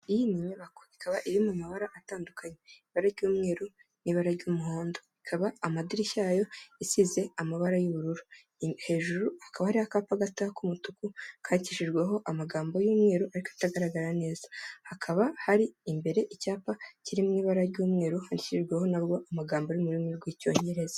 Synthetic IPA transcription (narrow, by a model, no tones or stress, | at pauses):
ijimiɲaβakoikʰaβaʔiɾimumaβaɾaʔataːndukʰaɲeiβaɾaɾɟuːmŋe̞ːɾu | niβaɾaɾɟumuho̞ːndoikʰaβaːmadiɾiçaːjo̞isize̞amaβaɾajuβuɾuɾu | he̞ːʒuɾuhakaβahaɾihakaːpaɡatakumutukukʰaːniciʃiɾɡweɦo̞ʔamaɡaːmbo̞juːmŋe̞ːɾuʔaɾikoitaɡaɾaɡaɾane̞ːzahakʰaβahaɾiːmbe̞ɾe̞ʔicaːpaciɾimŋiːβaɾaɾɟuːmŋe̞ːɾuhaniciʃiɾɡweho̞naβɡo̞ʔamaɡaːmboɾimuɾimŋiɾɡwico̞̰ːɲeɾe̞zḁ